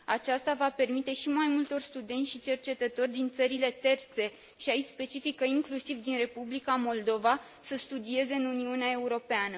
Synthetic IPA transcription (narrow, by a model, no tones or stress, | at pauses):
at͡ʃast̪avape̞rmit̪e̞ʃimajmult̪o̞rst̪ud̪e̞nsʲʃit͡ʃe̞rt͡ʃe̞t̪ət̪o̞rʲd̪int̪səɾile̞t̪e̞rt̪se̞ | ʃiaispe̞t͡ʃifikəiŋklusivd̪inre̞publikamo̞ld̪o̞va | səst̪ud̪ie̞ze̞ɨnuniuneae̞uɾo̞peanə